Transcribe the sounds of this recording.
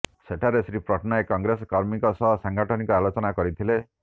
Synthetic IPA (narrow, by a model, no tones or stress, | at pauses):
seʈʰaɾesɾipɾɔʈʰnajkɔŋɡɾesɔkɔɾmikɔsɔɦɔsaŋɡʱaʈʰɔnikɔalot͡ʃɔnakɔɾit̪ʰile